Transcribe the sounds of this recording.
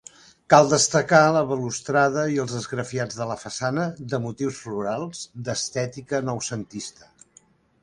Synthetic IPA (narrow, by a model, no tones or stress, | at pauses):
kalˠd̪əst̪əkaləβəlust̪ɾaðəiəlˠzðəzɣɾəfiad͡zðələfəsanəðəmut̪iwsfluɾalˠz̥d̪əst̪ɛt̪ikənɔwsənt̪ist̪ə̥